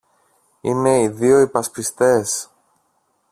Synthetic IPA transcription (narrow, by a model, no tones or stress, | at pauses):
ine̞iðio̞ipɐspist̪e̞s